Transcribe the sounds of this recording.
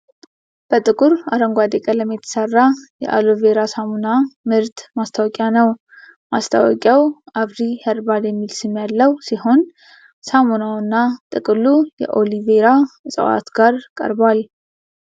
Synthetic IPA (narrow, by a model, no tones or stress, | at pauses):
b̥ət̪ʼɨkʼuɾaɾəŋɡʷad̪ekʼələmːit̪ʰə̥sərːajɛ̰ʔa̰loveɾasamunamɨɾt̪mast̪ʰawɔkʼjanəw | mast̪ʰa̰wɔkʼjawaβɾihɛɾbad̪jɛmːilsɨmːjalːəwsiɦo̞n | samunawnːat̪ʼɨkʼɨlujɛ̰ʔo̞liveɾasʼə̰wa̰t̪ɡ̥aɾkʼə̰ɾbwal